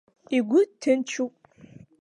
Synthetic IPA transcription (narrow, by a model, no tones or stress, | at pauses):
iɡʷʊtʰɨnt͡ʃʰupʼ